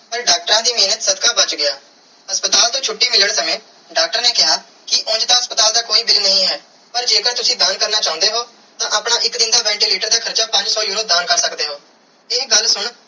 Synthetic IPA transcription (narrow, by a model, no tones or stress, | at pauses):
pəɾɖaːk̚ʈəɾãːd̪iːmeːnət̪səd̪kaːbət͡ʃɡɪjaː | ɦəspət̪aːlt̪õːt͡ʃʰʊʈːiːmɪləɽsəmẽː | ɖaːk̚ʈəɾneːkɪɦaː | kɪʔʊ̃ːd͡ʒt̪ãːɦəspət̪aːld̪aːkoːiːbɪlnəɦĩːɦɛː | pəɾd͡ʒeːkəɾt̪ʊsĩːd̪aːnkəɾnaːt͡ʃaːʊ̃nd̪eːɦoː | t̪ãːʔəpɳaːʔɪkd̪ɪnd̪aːʋɛ̃ːɳʈiːliːʈəɾd̪aːkʰəɾt͡ʃaːpə̃ɲd͡ʒsɔːjuːɾoːd̪aːnkəɾsəkd̪eːɦoː | ɪɡəlsʊɳ